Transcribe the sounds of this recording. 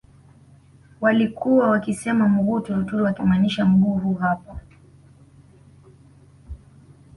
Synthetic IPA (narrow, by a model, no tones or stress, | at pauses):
walikuwawakisɛmamuɡutɔtuwakimaniʃam̩ɡuːɦuɦapa